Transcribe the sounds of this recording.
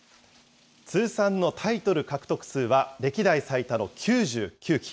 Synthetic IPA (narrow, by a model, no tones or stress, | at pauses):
t͡sɨːsãnːo̞t̪ʰait̪o̞ɾɯ̟kakɯ̟̥t̪o̞kɯ̟̥sɨːβaɾe̞kʲid̪aisait̪ano̞kʲʰɨːʑɨːkʲɨːkʲi̥